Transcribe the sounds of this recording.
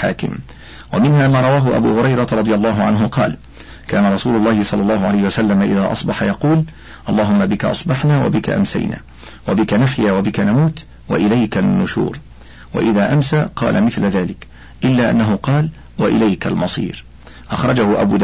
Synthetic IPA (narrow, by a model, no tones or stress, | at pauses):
ħa̰ːkɪ̰m | wamɪnɦaːmaːɾˤɑwaːɦʊʔa̰bṵːhʊɾɑjɾˤɑɾˤɑd̪ˤɨjɑlˤːɑːɦʊʕanɦʊqɑ̰ːl | kaːnaɾˤɑsuːlʊlˤːɑːhɪsˤɑlːɑlˤːɑːɦʊʕalajhɪwasalːamaʔɪðaːʔɑsˤbɑħajɑquːl | ʔɑlˤːɑːɦʊmːabɪkaʔɑ̰sˤbɑħnaːwa̰bɪka̰ʔa̰msa̰jna̰ː | wabɪkanaħjaːwabɪkanamuːt̪ | wa̰ʔɪlajkanːʊʃṵːɾ | wa̰ʔɪðaːʔamsaːqɑ̰ːlʔamɪθlaðaːlɪk | ʔɪlːaːʔa̰nːaɦʊqɑːl | waʔɪlajkalmɑsˤḭːɾ | ʔɑxɾˤɑd͡ʒahʊʔabuːd̪